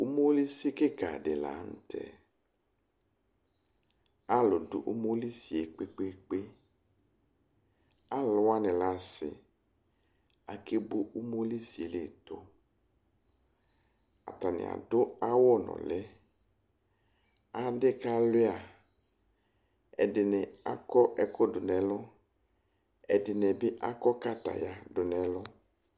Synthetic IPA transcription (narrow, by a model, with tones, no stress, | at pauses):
u˦mo˦li˦si˦ke˦ka˨dɛ˨la̰˨˦n̩˦tʰɛ̰˨ | a˦lo˨dʊ˨ʔu˦mo˦li˦si˨e˨k͡pe˦k͡pe˦k͡pe˦ | a˦lɔ˦a˦nɛ̃˨la˨˦sɪ̰˨ | a˨ke˦bo˦ʔu˦mo˦li˦si˨e˨le˨to˦ | a̰˨t̪a˨nɪ̰̃˨a̰˨dʊ˦a˦wɔ˦nɔ̰˨lɛ˦ | a˦de˦ka˦lʊ˦a˨ | ɛ̰˨dɪ˨nɛ˨a̰˦kɔ˦ʔɛ˨kɔ˦dʊ˨nɛ̃˨lɔ˦ | ɛ˨dɪ˨nɛ˨bɪ˦ʔa˦kɔ˦ka˦t̪a̰˨ja˨dʊ˨nɛ̃˨˦lɔ˦